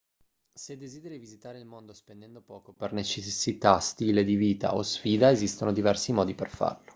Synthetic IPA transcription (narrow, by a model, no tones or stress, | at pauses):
sed̪ːezid̪eɾivizit̪aːɾeilmond̪ospend̪ɛnd̪opɔːkopernet͡ʃesːit̪ast̪iːled̪iviːt̪a̰ʔosfiːd̪aezist̪onod̪ivɛrsimɔːd̪ipḛrfa̰rlo